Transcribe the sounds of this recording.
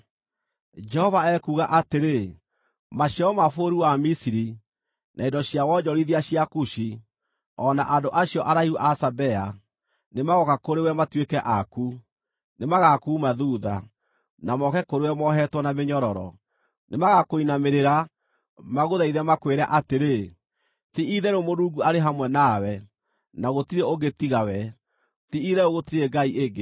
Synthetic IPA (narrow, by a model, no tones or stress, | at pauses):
d͡ʒɛhɔvaɛkuːɣaʔateɾe | maɕiɔɔmafoɾuwamisiɾi | nʔaindɔɕiawɔd͡ʒɔɾiðiaɕijakuɕi | ɔnaʔandoʔaɕijɔʔaɾaiuʔasabɛa | nemaɣɔkakoɾewɛmatwekɛʔaku | nemaɣakuːmaðuːða̰ | namɔkɛkoɾewɛmɔɦɛtwɔnameɲɔɾɔɾɔ̰ | nemaɣakoinameɾeɾa | maɣoðaiðɛmakweɾa̰ʔateɾe | tiʔiðɛɾomoɾuːŋɡuaɾeɦamwɛnawɛ | naɣotiɾɛoɡetiɣawɛ | tiiðɛoɣotiɾeɡaiʔeɡe